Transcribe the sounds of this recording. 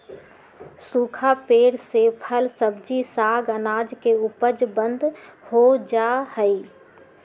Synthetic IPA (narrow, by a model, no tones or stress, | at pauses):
suːkʰapeːɽsepʰəlsəbd͡ʒisaːɡənaːd͡ʒkeʊpəd͡ʒbə̃nd̪hod͡ʒahəi